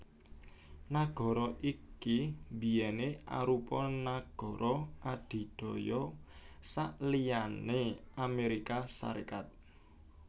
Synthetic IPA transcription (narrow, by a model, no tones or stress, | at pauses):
naɡ̥ɔ̤ɾɔʔikibi̤jɛneʔa̰ɾupɔnaɡ̥ɔ̤ɾʔɔad̪̥i̤ɖ̪̥ɔ̤jɔ | saʔlijaneameɾikasa̰ɾekat̪̚